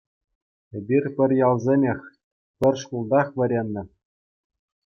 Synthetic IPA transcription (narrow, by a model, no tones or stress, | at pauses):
ĕbʲirʲpʲɘ̆rʲjɑlˠzʲenʲexʲ | pʲɘ̆rʲʂkulˠd̪ɑχʋʲɘ̆ɾʲenʲːɘ̆